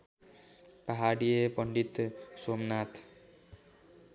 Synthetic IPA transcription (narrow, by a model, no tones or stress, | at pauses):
paɦaɽijepɔɳɖit̪soːmnaːt̪